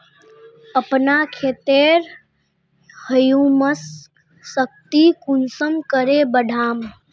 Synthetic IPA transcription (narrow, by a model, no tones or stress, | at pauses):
əpnakʰet̪eɾ | həjuməsː | ək̚t̪ikunsəmkəɾebəɖʱaːm